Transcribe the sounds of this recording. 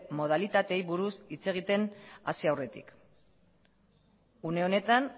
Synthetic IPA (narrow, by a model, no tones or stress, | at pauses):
mo̞ð̞alit̪at̪e̞jβuɾusit͡se̞ɣ̞it̪e̞na̰siawre̞t̪ḭk | une̞o̞ne̞t̪an